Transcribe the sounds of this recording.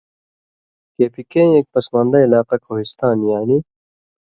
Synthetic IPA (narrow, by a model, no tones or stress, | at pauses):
keːpikẽːek̚pɐsmãːnd̪ɐilaːqɐkʰoːɦist̪aːnjaːni